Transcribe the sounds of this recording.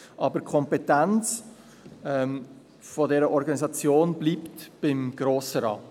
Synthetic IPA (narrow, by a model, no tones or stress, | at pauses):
ʔɑbəɾkʰɔmpɛtant͡s | ɛ | fɔdɛɾəʔɔɾɡɑnizɑt͡sjoːnb̥liːptb̥ɪmɡ̥ɾoːsəɾɑː